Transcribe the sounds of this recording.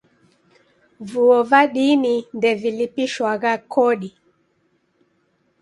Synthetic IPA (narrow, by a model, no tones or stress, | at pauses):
vuɔvaɗinindɛvilipiʃwaɣakʰɔɗi